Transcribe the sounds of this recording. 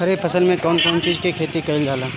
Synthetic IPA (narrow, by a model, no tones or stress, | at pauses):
ɦɐɾepʰɐsəlmẽkɔːnkɔːnt͡ʃiːzkikʰeːt̪ikɐɪld͡ʒʱaːlãː